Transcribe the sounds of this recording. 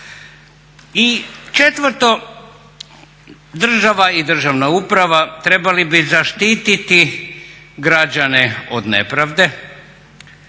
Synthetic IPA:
it͡ʃe̞t̪ʋəɾt̪o̞ | d̪r̩ʒaʋaid̪r̩ʒaʋnaupɾaʋat̪ɾe̞balibizaʃt̪iːt̪it̪i | ɡɾad͡ʑane̞o̰d̪nḛpɾaʋd̪e̞

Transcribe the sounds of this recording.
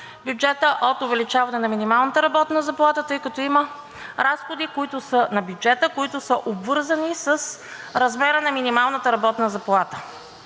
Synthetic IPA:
bjud͡ʒɛt̪əʔot̪ʊvɛlit͡ʃavɐnɛnɐminimalˠnət̪əɾɐbɔt̪nəzɐplˠat̪ət̪ɤjkɐt̪ɔimə | ɾasxod̪ikoit̪ʊsənɐbjud͡ʒɛt̪əkʊit̪ʊsəʔobvɤɾzənisəs | ɾɐzmɛɾənɐminimalˠnət̪əɾɐbɔt̪nəzɐplˠat̪ə̥

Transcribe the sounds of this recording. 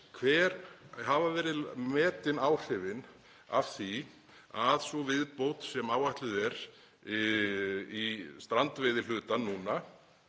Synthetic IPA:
kʰvɛːɾhavavɛːɾɪðmɛːt̪ɪnaːwr̥ɪvɪn | a̰v̥θi | aðsɔvɪðpowt̪sɛmaːwaht̪lʏðɛɾ̥ | ist̪ɾant̪vɪːðɪl̥ʏːt̪anːuna

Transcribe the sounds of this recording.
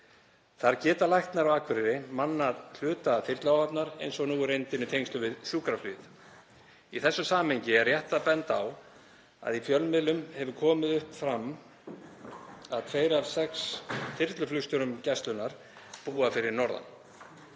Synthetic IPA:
θaɾcɛːt̪alajht̪naɾawaːkʰvʏɾɪɾɪmanːaðl̥ʏːt̪afɪɾ̥t̪lawhapnaɾḛjnsɔɣnuːʏɾejnt̪ɪnɪt̪ʰejŋst̪lʏvɪðsjuːkɾaflʏð | iθɛsːʏsaːmheɲcɪɛɾrjɛht̪apɛnt̪aw | a̰ðifjœlmɪðlʏmhɛvʏkʰɔːmɪðʏhpfɾam | aðt̪ʰeːjɾavsɛksfɪɾt̪lʏflʏst̪ʏɾʏmcɛst̪lʏnːaɾ̥ | puːafɪɾɪɾnɔɾða̰n

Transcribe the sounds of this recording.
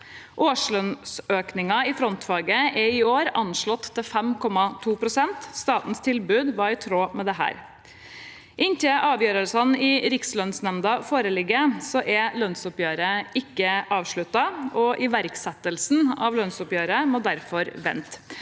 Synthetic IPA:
ʔoːʂɭœnsøːknɪŋɑɪfɾɔnt̪fɑːɡəʔɛɪoːɾɑnʂɭɔt̪ʰːɪlfɛmkʰɔmɑt̪ʰuːpʰɾʊsɛnt̪st̪ɑːt̪n̩st̪ʰɪlbʉːd̪ʋɑɾɪt̪ʰɾoːmɛd̪ɛɦæ̰ːɾ | ʔɪnt̪ʰɪʔɑːʋjøːɾəlsɑnɪɾɪkslœnsnɛmd̪ɑfoːɾəlɪɡːəsɔʔɛlœnsʊpjøːɾəɪkːəʔɑːʋʂɭʉt̪ːɑɔʔɪʋæɾksɛt̪ːəlsn̩ɑ̰ʋlœnsʊpjøːɾəmoːd̪æɾfɔɾʋɛ̰nt̪

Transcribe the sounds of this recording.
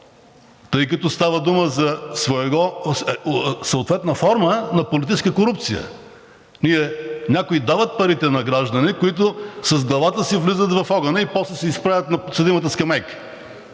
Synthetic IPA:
t̪əjkɐt̪ɔst̪avəd̪uməzɐsvoɛɡɔ | sɐot̪vɛt̪nɐfɔɾmənɐpolit̪it͡ʃskəkoɾupt̪sijə̰ | niɛnʲakoid̪avət̪̚pɐɾit̪ɛnɐɡɾaʒd̪ɐnɛkʊit̪ʊsɐzɡlˠɐvat̪əsivlizət̪vɐfɔɡɐnɐipɔslɛsɛispɾavʲət̪nɐposɐd̪imɐt̪əskɐmɛk

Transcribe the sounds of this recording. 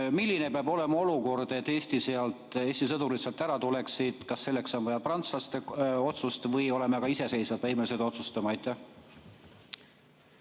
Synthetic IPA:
milʲːine̞peɑbo̞le̞mɑo̞luko̞rd̪̥e̞t̪ːˑe̞ːsʲt̪iseɑlt̪ˑe̞ːsʲt̪isɤd̪uɾisɑlt̪ːæɾɑt̪ule̞ksid̪̥kɑsːe̞lːe̞kso̞nvɤjɑprɑnt̪slɑst̪e̞o̞t̪sust̪vɤjo̞le̞meɑɡ̥ɑise̞se̞jsvɑd̪væjmelised̪o̞t̪sust̪ɑmɑɑjt̪ːˑæh

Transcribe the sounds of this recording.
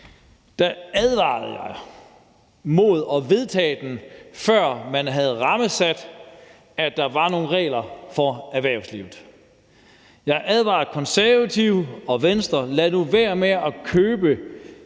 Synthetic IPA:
d̥ææðˠʋɑ̰̈ːð̩ˠjɑ̈ɪ | mo̝ð̞ˠɒ̽ʋe̝ð̞ˠt͡sʰɛ̰ːd̥enfɶɐ̰mænɦæð̞̩ˠʁɑ̈məsæd̥ | æd̥ɑ̈ʋɑ̈no̝ːn̩ʁɛ̰ːlɐfɒæʋæɐ̰ʊslḭʊð̩ˠ | jɑ̈ɪʔæð̞ˠʋɑ̈ːð̩ˠkʰɒ̽nsæɐʋæt͡sʰiʊ̰ɒ̽ʋensd̥ɐlænuʋæɐ̰meɒ̽kʰøːb̥ə

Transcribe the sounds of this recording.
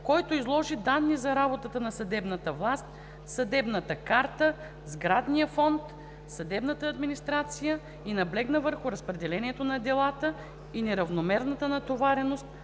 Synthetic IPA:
kɔjt̪oizlˠɔʒid̪anːizɐɾabot̪ət̪ənɐsɐd̪ɛbnət̪əvlˠast̪ | sɐd̪ɛbnət̪əkaɾt̪ə | zɡɾad̪nijəfɔnt̪ | sɐd̪ɛbnət̪əːd̪minist̪ɾat̪sijə | inɐblɛɡnəvəɾxʊɾɐspɾɛd̪ɛlɛniɛt̪onɐd̪ɛlˠat̪ə | inɛɾɐvnomɛɾnət̪ənɐt̪ovaɾɛnost̪̚

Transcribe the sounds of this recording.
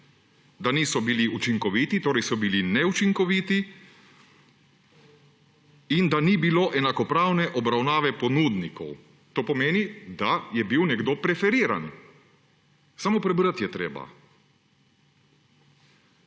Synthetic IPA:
d̪aniːsɔbiliut͡ʃiŋkɔʋiːt̪it̪oːɾɛjsɔbilinɛut͡ʃiŋkɔʋiːt̪i | ind̪anibiloːʔɛnakɔpɾaːwnɛʔɔbɾawnaːʋɛpɔnud̪nikʰɔ̰w | t̪oːpɔmeːnid̪ajɛbiwnɛɡd̪oːpɾɛfɛɾiːɾa̰n | samopɾɛbɾət̪jɛt̪ɾḛːba̰

